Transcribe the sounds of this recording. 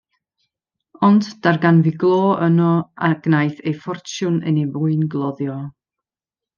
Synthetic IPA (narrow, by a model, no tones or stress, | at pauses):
ɔndd̥arɡanvɪɡlˠoːənɔaɡ̥najθejfɔrtʰjʊnə̰nevʊɨnɡlˠɔðjɔ